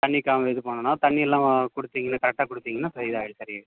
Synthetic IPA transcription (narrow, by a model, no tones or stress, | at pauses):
t̪ɐɳːikːaːmɐʋɛðɯpoːɳɐnaːt̪ɐɳːiɛlːãːkɔɽɯt̪ːiːŋɡɐnːaːkɐɾɛk̚ʈaːkɔɽɯt̪ːiːŋɡɐnːaːpɾɐɪðaːɣɪɭsɐɾɪjeː